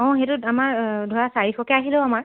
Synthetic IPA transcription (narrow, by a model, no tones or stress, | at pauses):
ɔ̃xetʊamaɹdʱɔɹasaɹixɔkɛaɦilɛʊamaɹ